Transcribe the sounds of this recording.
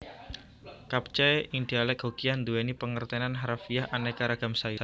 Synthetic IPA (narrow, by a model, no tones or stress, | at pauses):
kap̚t͡ʃɛindialɛk̚ɦokiand̪uɛnipəŋərt̪ɛnanɦaɾafiaɦʔanɛkaɾaɡ̥a̤msaju